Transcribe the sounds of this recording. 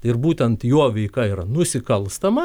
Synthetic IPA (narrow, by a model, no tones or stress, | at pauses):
ɪrbuːt̪ʲɛnt̪joɔːʋʲɛɪkɐiɾɐnʊsʲɪkɐlˠst̪ɐmɐ